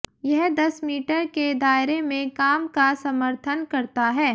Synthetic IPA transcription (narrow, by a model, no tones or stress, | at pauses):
jɛɦd̪ɐsmiːʈəɾked̪aːɪɾemẽkaːmkasɐməɾt̪ʰənkɐɾt̪aɦɛː